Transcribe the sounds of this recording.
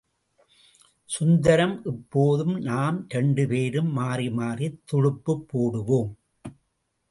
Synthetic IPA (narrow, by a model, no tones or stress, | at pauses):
sʊnd̪ɐɾɐmʔɛpːoːðɯmnaːmɾɛɳɖɯpeːɾɯmːaːrimaːrit̪ːɔɻɯpːɯpːoːɽɯʋoːm